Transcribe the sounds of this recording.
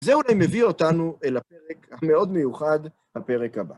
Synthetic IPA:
zeulajme̞vio̞tanuʔelape̞ʁekhame̞o̞d̪me̞juχad | hape̞ʁe̞khaba̰

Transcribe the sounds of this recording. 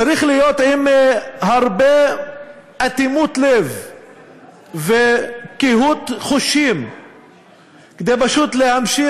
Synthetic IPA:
aɾiχlijot̪imhaʁbe | ʔat̪imut̪lev | vekiɦut̪χoʃim | ked̪ejbaʃut̪lehamʃi

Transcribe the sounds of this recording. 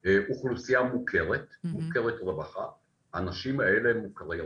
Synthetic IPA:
euχlusiamukʰeʁet̪mukeʁet̪ʁebaχa̰ | haːnaʃimaelemukaʁe

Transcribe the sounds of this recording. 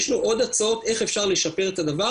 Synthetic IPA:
ʃnuʔo̞d̪at͡sao̞te̞χe̞fʃaʁle̞ʃape̞ʁet̪ad̪ava

